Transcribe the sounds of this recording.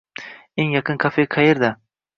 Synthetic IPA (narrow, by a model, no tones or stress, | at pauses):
eŋjɑqɨnkʲʰafeqʰɑjeɾd̪a